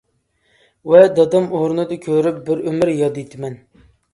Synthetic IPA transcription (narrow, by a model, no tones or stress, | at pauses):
wɛd̪ɑd̪ɑmoɾnɨd̪ɨkʲʰøɾyp̚bɪɾymɪɾjɑd̪it̪ʰɪmɛn